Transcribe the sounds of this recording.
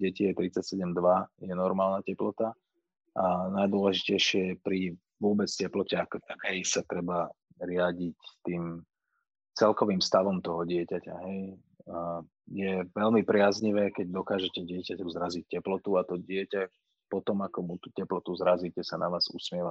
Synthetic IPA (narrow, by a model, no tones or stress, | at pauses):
ɟɛcijɛt̪ɾit͡sacsɛɟɛmd̪ʋajɛnɔɾmaːlnacɛplɔt̪a | ʔanajd̪ʊɔlɛʒicɛjʃɪɛjɛpɾi | ʋʊɔbɛt͡scɛplɔcɛakɔt̪akɛjsat̪ɾɛba | ɾɪaɟict̪iːm | t͡sɛlkɔʋiːmfst̪aʋɔmt̪ɔɦɔɟɪɛcaca̰ɦɛj | jɛʋɛlmipɾɪazɲiʋɛːkɛɟ̚d̪ɔkaːʒɛcɛɟɪɛcacɔzɾazic̚cɛplɔt̪uat̪ɔɟɪɛca | pɔt̪ɔmakɔmut̪ucɛplɔt̪uzɾaziːcɛsanaʋaːz̥usmɪɛʋa